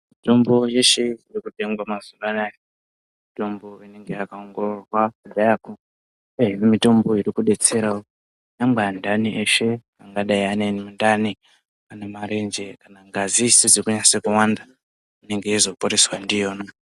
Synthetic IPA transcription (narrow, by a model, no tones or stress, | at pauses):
mito̞mbo̞je̞ʃe̞irikute̞ŋɡwamazuʋanaje | mito̞mbo̞ine̞ŋɡeakaoŋɡo̞rorwakaɗajako | eɦimimito̞mbo̞iɾikuɗe̞t͡se̞ɾao | jambandaniʔeʃe̞ | aŋɡaɗaianenimundani | anemaɾe̞nd͡ʒe̞kanaŋɡazised͡zirikuɲasekuwanda | ine̞ŋɡeizo̞poɾe̞swandijo̞ːno